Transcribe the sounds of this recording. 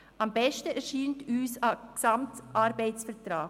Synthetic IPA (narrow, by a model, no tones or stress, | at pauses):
ɑmbɛʃtəɛɾʃiːntyːsaksɑmtʔɑɾbɛɪt͡ssfətɾaː